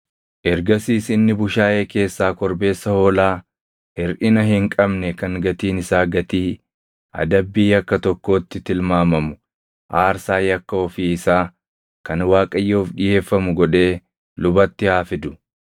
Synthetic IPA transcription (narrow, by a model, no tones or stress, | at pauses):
ʔɛɾɡɐsiːsɪnːɪbʊʃaːʔe̞ːke̞ːsːaːkɔɾbe̞ːsːɐho̞ːlaː | hɪɾʔɪnɐɦɪŋkʼɐbnɛkɐŋɡɐt̪iːnɪsaːɡɐt̪iː | ɐ̰d̪ɐbːiːɐkːɐt̪ɔkːo̞ːt̪ːɪt̪ɪlmaːmɐmʊ̥ | ʔaːɾsaːjɐkːɐɔfiːɪsaː | kɐnwaːkʼɐjːoːfᶑɪje̞ːfːɐmʊɡɔᶑe̞ː | lʊbɐt̪ːɪhaːfɪd̪ʊ